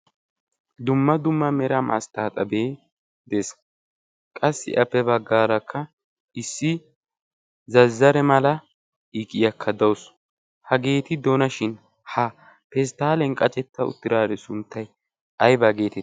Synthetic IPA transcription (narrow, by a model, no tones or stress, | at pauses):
d̪ʊmːɐd̪ʊmːɐmɛɾɐmʔɐ̰st̪aːt̪ʼɐbeː | d̪es | kʼɐsːɪ̰ʔɐpːɛbɐɡːaːɾɐkʰːɐ | ɪsːɪ | zɐzːɐɾɛmɐlɐ | ikʼɪjɐkʰːɐd̪ɐws | hɐɡe̞ːt̪ɪd̪onɐʃɪn | hɐ | pɛs̬t̪aːlɛnkʼɐt͡ʃʼɛt̪ːɐʊ̰t̪ːɪɾaːd̪ɛsʊnt̪ːɐj | ʔɐjbɐɡe̞ːt̪ɛ